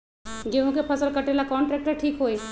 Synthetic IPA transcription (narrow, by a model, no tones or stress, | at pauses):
ɡeɦũkepʰɐsəlkəʈelakɔːɳʈɾɛːk̚ʈeʈʰiːkɦoːe